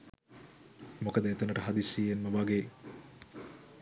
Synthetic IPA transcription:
mokəd̪əet̪ənəʈəɦad̪isːiːenməʋaɡe

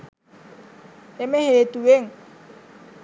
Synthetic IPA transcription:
emehet̪uweŋ

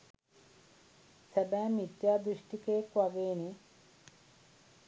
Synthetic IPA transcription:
sebɛːmit̪jaːd̪ɾiʂʈikeːkʋɐɡeːni

